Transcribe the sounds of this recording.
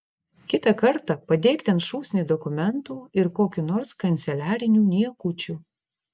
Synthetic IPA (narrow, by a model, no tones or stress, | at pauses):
kʲɪt̪ɐkɐɾt̪ɑpɐd̪ʲeːkt̪ʲɛnt̪ʃuːsʲnʲiːd̪ɔkʊmʲɛnt̪uːɪɾkoːkʲunoːɾskɐnʲt̪sʲɛlʲæːɾʲɪnʲuːnʲiɛkʊt͡ʃʲuː